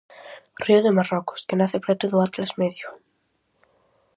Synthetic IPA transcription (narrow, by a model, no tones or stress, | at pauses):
riʊðemarɔkʊ̥skenaθepɾɛt̪ʊðʊat̪lazmeðjʊ